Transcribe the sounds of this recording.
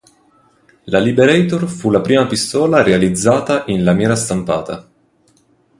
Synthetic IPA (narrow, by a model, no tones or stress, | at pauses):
lalibeɾɛjt̪orfulapɾiːmapist̪ɔːlaɾealid̪zːaːt̪aʔinlamjɛːɾast̪ampa̰ːt̪a̰